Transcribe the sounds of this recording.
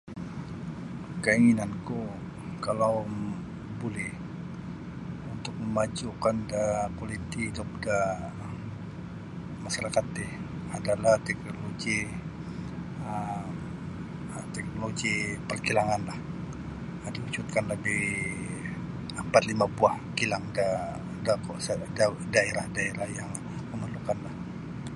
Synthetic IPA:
kəiŋinanku | kalaw | bolɛh | unt̪ʊk̚məmad͡ʒukandapolit̪ihid̪ʊp̚da | maʃaɾakat̪̚ːɪh | adalaht̪ɛk̚noloɡi | ə | t̪ɛk̚noloɡipərkilaŋanlah | diut͡ʃut̪̚kanləbɪh | əmpat̪limapuah | kilaŋda | dakosddaeɾahdaeɾahjaŋ | məməlukanlah

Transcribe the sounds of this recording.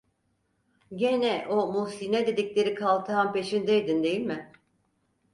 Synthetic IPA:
ɟenɛʔomusinɛd̪e̞d̪iclʲe̞ɾikʰalˠt̪ʰaampe̞ʃind̪ejd̪ind̪e̞jilʲmɪ

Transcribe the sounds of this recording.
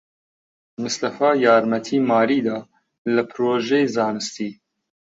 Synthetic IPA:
mɨst̪ɐfɑːjɑːɾmɛt̪ʰiːmɑːɾiːd̪ɑː | lɨpʰɾoːʒejzɑːnɨst̪iː

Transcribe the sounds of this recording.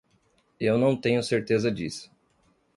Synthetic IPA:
ewnɐ̃w̃t̪ẽɲʊseɾt̪ezɐd͡ʒḭsʊ̥

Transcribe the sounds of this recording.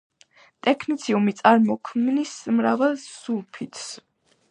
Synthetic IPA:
t̪ʼɛkʰnit̪sʰiumit̪sʼaɾmɔkʰmnnismɾavɛlˠsuɾpʰit̪ʰs

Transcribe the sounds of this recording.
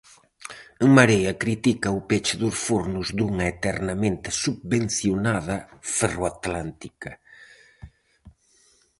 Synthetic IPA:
ŋmaɾejɐkɾit̪ikɐʊpet͡ʃɪðʊsfuɾnʊzd̪uŋɐet̪ɛɾnɐmẽnt̪ɪsubβen̟θjonaðɐferoat̪lant̪ikɐ

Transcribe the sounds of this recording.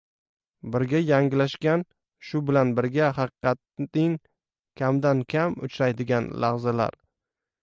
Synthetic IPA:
bɪɾɡʲajaŋʲɪlaʃkʲan | ʃʊbɪlanbɪɾɡʲaɦɑqɨ̥qʰɑt̪nɪŋ | kʲʰamd̪ankʲʰamʊ̰t͡ʃɾajd̪ɪɡʲanlaʁzala̰ɾ

